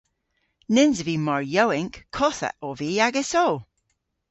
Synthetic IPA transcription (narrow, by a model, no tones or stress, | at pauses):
nɪnzəvimɔɹjowɪŋkʰːɔθə̰ʔɔviaɡɛsow